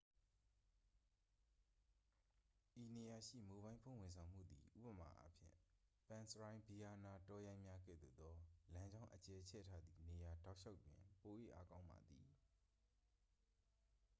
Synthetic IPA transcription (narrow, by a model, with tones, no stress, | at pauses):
ʔi˨ne˨ja˨ʃḭ˦˨mo˨bã˦ɪ̃mpʰõ˦˨w̃ɪ̃˨nsʰã˨ʊ̃m̥ṵ˦˨d̪ḭ˨ʔṵ˦bəma̰˨ʔa̰˦pʰjɪ̰̃˦˨pã˨nsəɹã˨ɪ̃bi˨ja˨na˨tɔ˦jã˦ɪ̃mja˦ɡɛ̰˦˨d̪o̰˦˨d̪ɔ˦lã˦ɲd͡ʑã˦ʊ̃ʔət͡ɕɛ˨t͡ɕʰɛ̰˦˨tʰa˦d̪ði˨ne˨ja˨da˦ʊʔʃʰa˦ʊpjɪ̰̃˨mpo˨ʔḛ˦˨ʔa˦kã˦ʊ̃mba̰˨d̪i˨